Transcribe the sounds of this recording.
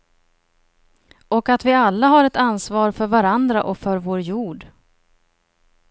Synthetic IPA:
ɔkat̪vɪalːaɦaɾɛt̪ansvɑːɾfœɾvaɾand̪ɾa̰ʔɔkfœɾvoːɾjuːɖ

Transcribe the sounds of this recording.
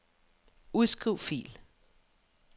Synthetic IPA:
uðˠsɡ̥ʁiʊfḭːl

